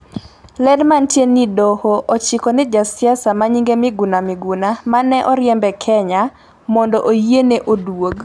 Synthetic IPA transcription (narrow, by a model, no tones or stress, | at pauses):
lɛdmantjenidɔhoʔot͡ʃɪkɔnɛd͡ʒasɪasamaɲiŋɡemɪɡunamɪɡunamanɛʔɔɾjɛmbɛkʰɛɲa | mɔndɔʔojieneʔodwoɡ